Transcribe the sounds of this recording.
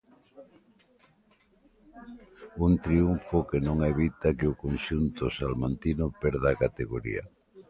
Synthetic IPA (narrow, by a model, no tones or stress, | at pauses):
unt̪ɾiuɱfʊkenõŋeβit̪akeʊkonʃunt̪ʊsalmant̪inʊpɛɾðaːkat̪eɣoɾḭa̰